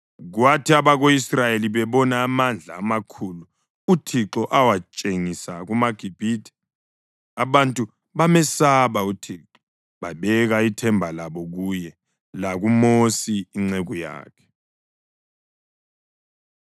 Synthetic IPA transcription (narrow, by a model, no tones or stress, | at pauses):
ɣwatʰiaβaɣoisrajeliβɛβɔnaːmand͡ɮʱaːmakʰulu | utʰiǁɔʔawat͡ʃʼeŋisaɣumaɡ̥ʱib̥ʱidʱi̥ | aβantʼu | βamɛsaβautʰiǁɔ | βaβɛɣaitʰɛmbʱalaβɔɣujɛ | laɣumosiːŋ͡ǀeɣuja̰ːkʰɛ̥